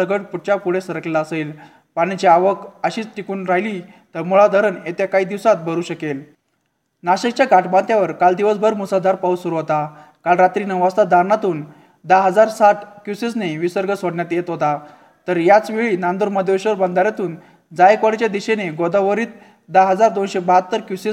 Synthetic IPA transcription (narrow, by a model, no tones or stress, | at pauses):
əɡəʈpuʈ̚t͡ɕapuɽesəɾəklelaəsel | pañit͡ɕiaʋəkəɕiːt͡sʈikuːnɾaɦjli | t̪əɾmuɭad̪ʱəɾənet̪jakaiːd̪iʋsat̪̚bʱəɾuːɕəkel | naɕəkt͡ɕjaɡʱaʈʰbãnt̪jaʋəɾkald̪iʋəsbʱəɾmusad̪ʱaɾpausuɾuɦot̪a | kalɾat̪ɾiːnəʋast̪ad̪ʱaɾnat̪uːn | d̪aɦəd͡zaɾsaʈkjusesneʋisəɾɡəsoɽɳjat̪jet̪ɦot̪a | t̪əɾjat͡sʋeɭiːnand̪oɾməd̪ʱeɕəɾbənd̪aɾjat̪uːn | d͡zajkʋəɽt͡ɕjad̪iɕeneɡod̪aʋəɾiːt̪̚ | d̪aɦəd͡zaɾd̪onɕebaɦət̪ːəɾkjuse